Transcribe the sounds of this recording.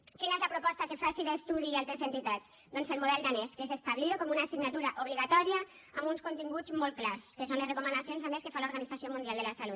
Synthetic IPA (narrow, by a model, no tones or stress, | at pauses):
kinaezləpɾupɔst̪akefasiðest̪uðialt̪ɾezent̪it̪az | d̪ɔnselmuðɛlɡ̪aneskesest̪aβliɾkɔmunasiɡnat̪uɾaʔuβ̞liɣat̪ɔɾia | ambunskunt̪iŋɡud͡zzmɔl̚klaskesonlezrekumənd̪asijonsameskefaluɾɣanid͡zasiomũnd̪ialˠd̪elasalut̪